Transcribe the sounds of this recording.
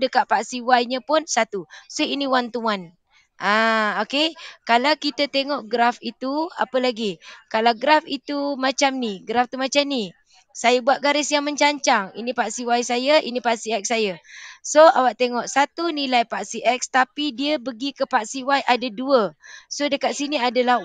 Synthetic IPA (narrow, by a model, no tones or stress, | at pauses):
dəkaʔ̚paʔsiwajɲəpʊnsat̪usoinĩwant̪uan | ʔaokekalawkit̪ət̪eŋɔʔɡɾafit̪ua̰pəlaɡikalawɡɾafit̪umat͡ʃamniɡɾaft̪umat͡ʃamni | sajabuaʔ̪̚ɡaɾɪsjaŋməɲt͡ʃaɲt͡ʃaŋḭnipaʔsiwajsajəʔḭnipaʔsiɛk̚sːajəsoawaʔt̪eŋɔʔsat̪unilajpaʔsiʔɛk̚st̪apidiəbəɡikəpaʔsiwaiʔadaduəsodəkat̪̚siniadala